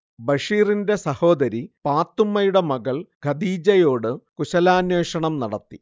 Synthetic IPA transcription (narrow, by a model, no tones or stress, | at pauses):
bɐʂiːrinde̞sɐho̞ːd̪ɐɾipaːt̪ːumːɐjuɽe̞mɐɡɐɭɡʱɐd̪iːd͡ʑɐjo̞ːɽɨkuɕɐlaːnweːʂɐɳɐmnɐɽɐt̪ːi